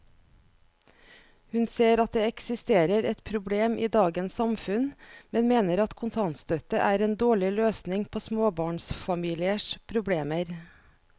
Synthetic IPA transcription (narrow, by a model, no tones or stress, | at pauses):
hʉnseːɾɑt̪̚d̪eːɛksɪst̪eːɾəɾɛt̪pʰɾʊbleːmʔiːd̪ɑːɡənsɑmfʉnmɛnmeːnəɾɑt̪kʰʊnt̪ʰɑnt̪st̪œt̪əʔæːɾeːnd̪oːɭɪløːsnɪŋpʰoːsmoːbɑːɳsfɑmiːlɪəʂpʰɾʊbleːməɾ